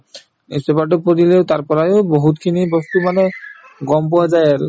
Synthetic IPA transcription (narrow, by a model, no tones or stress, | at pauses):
ḭsɛpat̬ɔpotileʊtaɹpɔɹajoboɦutkʰinibɔst̪umanɛ | ɡɔmp̬ɔwazajaɹʊ̰